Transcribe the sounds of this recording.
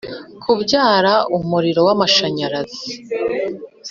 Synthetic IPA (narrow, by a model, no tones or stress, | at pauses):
kʰubɟaːɾaumuɾiɾo̞wamaʃaɲaɾazi